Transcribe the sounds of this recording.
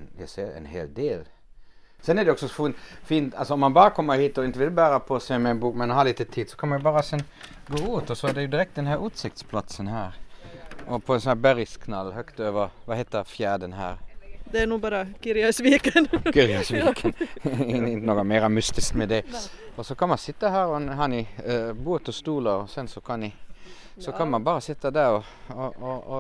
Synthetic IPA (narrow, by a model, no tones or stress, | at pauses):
jæɪseːɾɛ̰nhḛːld̪eːl | sɛnɛd̪ɛɔksɔfuːnfiːnt̪ɑlsɔɔmɑnbɑːɾəkʰɔmːəhiːt̪ɔɪnt̪əʋɪlbæːɾəpʰɔsɛmɛɛɪnbuːkmɛnhɑːliːt̪ət̪ʰiːd̪sɔ̥kʰɑnmɑnjʊbɑːɾəsɛn | ɡoːʉːt̪ɔsɔæd̪ɛjʊd̪ɪɾɛkt̪̚d̪ɛnhæːɾʉːt̪sɪk̚t̪spʰlɑt̪sənhæːɾ | ʔɔpʰɔɛnsɔnæbæɾɪskʰnɑlːhœkt̪øːʋəɾʋɑhɛɪt̪əɾfjæːd̪ənhæ̰ːɾd̪ɛænuːbɑːɾəkɪɾɪɑsʋiːkənkʰʏɾɪɑsʋikən | ɪnt̪nɔkɑmæɪɾɑmʉst̪ɪsk̪mɛd̪ɛɔsɔkʰɑnmɑnsɪt̪ːəhæːɾɔnhɑːnɪbuːt̪ɔst̪uːləɾɔsɛnsɔkʰɑnɪ | sɔkʰɑnmɑnbɑːɾəsɪt̪ːɑd̪æɾɔ | ɔɔ